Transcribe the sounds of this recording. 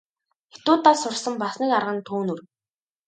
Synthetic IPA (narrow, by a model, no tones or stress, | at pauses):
xet̪ʊːt̪aːsʊrsə̆mpasniːkarʁə̆nt̪ʰuːnŭr